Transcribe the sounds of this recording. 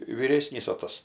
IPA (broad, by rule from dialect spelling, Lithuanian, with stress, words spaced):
ʋʲiːˈrʲeːsʲnʲiːs oː ˈtɐs